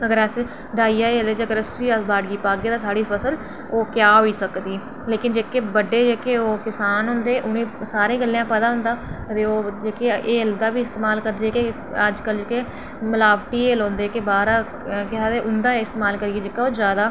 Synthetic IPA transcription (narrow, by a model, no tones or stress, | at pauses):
əɡəɾəs | ɖaːijaːeːleːd͡ʒəɡəɾəsiːəsbaːɽɡiːpaːɡeːd̪aːt̪ʰaːɽiːpʰəsəl | oːkjaːɦoːiːsəkd̪iː | leːkɪnd͡ʒeːkeːbəɖːeːd͡ʒeːkeːoːkɪsaːnɦʊnd̪eːʔʊnẽːsaːɾẽːɡəlːjãːpəd̪aːɦʊ̃nd̪aːt̪eːoːd͡ʒeːkeeːld̪aːbiːɪst̪eːmaːlkəɾd̪ieːke | əd͡ʒkəld͡ʒeːke | məlaːbʈiːeːlõːnd̪eːkebaːɾaː | kɪaːt̪eːʔʊnd̪aːeɪst̪eːmaːlkəɾieːd͡ʒekaoːzjaːd̪aː